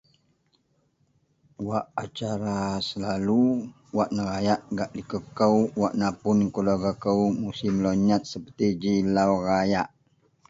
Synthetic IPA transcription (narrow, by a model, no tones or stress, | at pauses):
waʔat͡ʃaɾasəlalu | waʔnəɾajaʔɡaʔdikəkəwwaʔnapʊnkulaɡakəwmusimloɲat̪̚səpət̪id͡ʒilawrajaʔ